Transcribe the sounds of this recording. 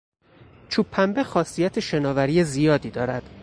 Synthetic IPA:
t͡ʃʰuːpʰːæmbe̞xɒːsijæt̪ʰeʃe̞nɒːvæɾijezijɒːd̪iːd̪ɒːɾæd̪̥

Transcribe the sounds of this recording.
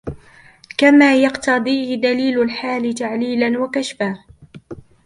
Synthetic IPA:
kamaːjɑqt̪ɑd̪ˤiːhɪd̪aliːlʊlħaːlɪt̪aʕliːlanwakaʃfaːh

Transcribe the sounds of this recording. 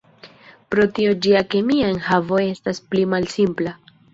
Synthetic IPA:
pɾo̞tio̞d͡ʒiake̞miae̞nhavo̞e̞stasplimalsimpla

